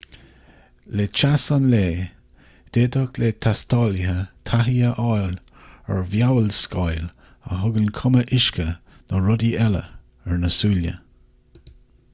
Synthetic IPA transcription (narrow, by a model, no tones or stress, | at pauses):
let͡ʃasənleː | d̪̥eːdɔklet̪ʰast̪ʰɑːləɦət̪ʰaɦiəʔɑjl | ɛ̰ɹvjawəlskajl | ə̰ɦʊɡənkʰʊməʔɪʃkə | nəɹʊd̪iʔɛlə̰ | ɛɹnəsuːljə̰